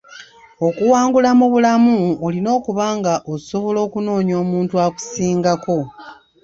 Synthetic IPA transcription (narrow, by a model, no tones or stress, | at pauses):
o̞kuwaːŋɡulamuβulamuolino̞ːkuβaːŋɡaʔoso̞βo̞lo̞ːkuno̞ːɲo̞ːmuːntuaku̥siːŋɡako̞